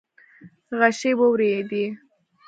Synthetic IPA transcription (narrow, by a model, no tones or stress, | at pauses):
ɣaʃebəwɾed̪i